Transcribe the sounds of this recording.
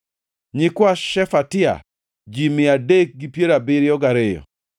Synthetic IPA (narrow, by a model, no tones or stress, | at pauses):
ɲɪkwaʃɛfatɪa̰ | d͡ʒimɪadek̚ɡipjeɾabɪɾɪɔɡaɾejɔ̰